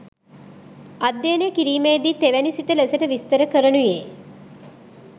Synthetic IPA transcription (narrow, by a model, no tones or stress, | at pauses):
ad̪ːenəkiɾiːmejd̪iːt̪eʋænisit̪əlesəʈəʋist̪əɾəkəɾənuje